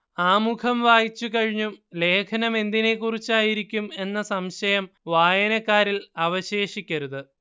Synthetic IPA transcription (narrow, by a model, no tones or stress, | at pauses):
aːmukʰɐmʋaːjit͡ɕːukɐɻiɲːumle̞ːkʰɐnɐme̞nd̪ine̞kːurit͡ɕːaːjiɾikʲːume̞nːɐsɐmɕɐjɐmʋaːjɐnɐkːaːɾilɐʋɐɕe̞ːʂikʲːɐɾuðɨ